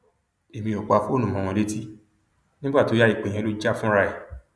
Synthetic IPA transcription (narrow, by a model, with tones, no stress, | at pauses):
e˨mĩ˧o˨kʷa˨˧˦fu˦o˦˨nũ˦˨mɔ̃˨˧w̃ɔ̃˧le˦ti˦ | nĩ˦ɡ͡ba˦˨to˨˦ja˦i˦˨k͡pẽ˨ɛ̃˧lo˦d͡ʒa˦fũ˦ɾa˧e˨